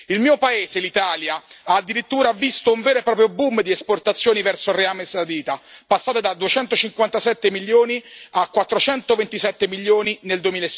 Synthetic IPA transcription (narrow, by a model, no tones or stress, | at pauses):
ilmiːopaeːzelit̪aːljaaːd̪ːiɾit̪ːuːɾavist̪ouɱvɛːɾepɾɔːp̬ɾjobumd̪iɛsport̪at̪sːjoːnivɛrsoreamesad̪iːt̪apasːaːt̪ed̪ad̪uet͡ʃɛnt̪ot͡ʃiŋkwant̪asɛt̪ːemilːjoːniakːwat̪ːɾot͡ʃɛnt̪ovent̪isɛt̪ːemiljoːnineld̪uemilas